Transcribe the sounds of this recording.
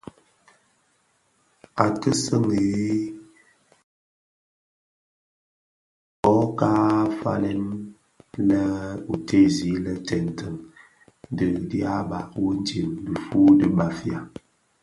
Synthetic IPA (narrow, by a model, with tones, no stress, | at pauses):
a˨tə˦sə˦˨ŋe˨˦ | ɔ˦kaː˦fa̰˦lɛ˦n | lə˦u˨tʰe˦˨zi˨˦lə˦tɛ˨n̩˨tʰə˦˨ŋ | də˨dja˦ba˨wə˦n̩˦d͡ʒi˨mdə˨fu˦də˦ba˨fi˦a˨